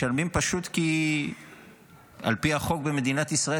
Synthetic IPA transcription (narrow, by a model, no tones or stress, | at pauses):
almimpaʃut̪ki | a̰lpiaχo̞k̚be̞me̞d̪inat̪isʁae